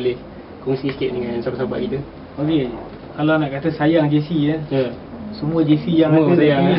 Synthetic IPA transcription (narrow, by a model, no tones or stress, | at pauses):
lɪh | kɔŋsisə̥kiʔ̪̚dəŋãnsabaʔsaba̰ʔkit̪ə | oke | kalanaʔkat̪əsajaŋd͡ʒesijə | səmũəd͡ʒesijaŋosajaŋ